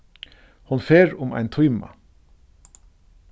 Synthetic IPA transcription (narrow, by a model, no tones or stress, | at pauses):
hʊnfeːɹʊmæ̰ɪnt̪ʰʊʏmɑ̰